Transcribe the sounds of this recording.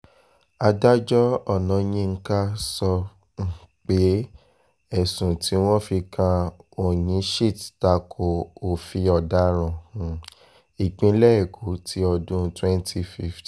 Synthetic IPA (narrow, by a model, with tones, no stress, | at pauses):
a˧da˦d͡ʒɔ˦ɔ˦˨nã˨˦jĩ˦˧ŋ̩˦ka˦sɔ˧ | ŋ̩˨ | k͡pe˨˦ | ɛ˦˨sũ˨ti˨˦w̃ɔ̃˦fi˧kʰã˧o˦˨jĩ˨˦ʃi˦˨tta˧kʰo˨o˨fi˧ɔ˨da˦ɾ̃ɔ̃˨h | i˨k͡pĩ˨˧˦lɛ˦ɛ˦˨ɡu˨˦tʰi˨˦ɔ˧dũ˦twɛ˦ntʰi˧fi˦ft